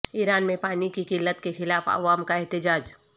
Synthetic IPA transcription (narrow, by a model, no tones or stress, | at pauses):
iːɾaːnmẽpaːnikikɪlːət̪kexɪlaːfɐ̰ʋaːmkaɛɦt̪ɪd͡ʒaːd͡ʒ